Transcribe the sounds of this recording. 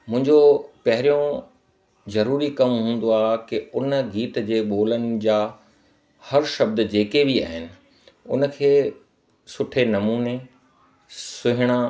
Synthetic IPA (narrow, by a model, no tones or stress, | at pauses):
mʊ̃ɪ̃ɲd͡ʑopɐɦɪɾijõ | zɐɾuːɾikɐmɦũːn̆d̪oaːkɪʊnəɡiːt̪d͡ʑeːɓoːlənɪ̆d͡ʑaː | hɐɾʃɐb̚d̪d͡ʑeːkebia̰ːɦɪnɪ̆ | ʊ̰nə̆kʰeː | sʊʈʰenɐmuːne | sʊɦɪɽ̃a